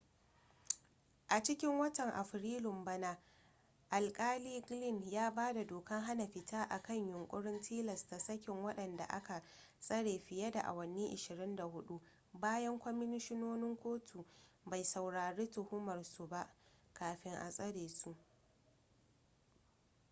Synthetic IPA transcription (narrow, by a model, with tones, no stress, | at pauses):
ʔa˨t͡ʃɪ˦kʲɪ˦ŋwɐ˦tɐ˨ŋʔa˨ɸɾiː˦lɪ˨mbɐ˦na˦ | ʔa˨lkʼaː˦liː˦ɡlɪ˦˨njaː˦baː˦da˨doː˨kɐ˦ŋɦa˦na˨ɸɪ˨taː˦ʔa˨kɐ˦˨ɲjʊ˨ŋkʷʼʊ˦ɽɪ˦ntʰiː˦lɐ˨sta˨sɐ˦kʲɪ˨ŋwɐ˦ɗɐ˨nda̰˨ʔa̰˦ka˨ | sʼɐ˦ɽeː˨ɸɪ˨jɐ˦da̰˨ʔa̰˨wɐ˨niː˦ʔɪ˨ʃɪ˨ɾɪ˦nda˨hʊ˦ɗu˦ | baː˦jɐ˦ŋkʷɔ˦mɪ˦nɪ˦ʃɪ˦noː˦nɪ˦ŋkʷoː˦tʰu˨ | ba˨jsa˨wɽaː˨ɽeː˦tʊ˨hʊ˦mɐ˨rsu˨ba˦ʔ | kaː˨ɸɪ˦ŋʔa̰˨sʼɐ˦ɽeː˨su˦˨ʔ